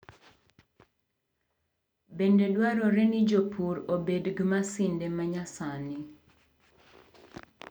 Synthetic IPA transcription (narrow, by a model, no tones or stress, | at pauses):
bendedwaɾɔɾɛnid͡ʒopʰuɾobedɡmasɪndemaɲasani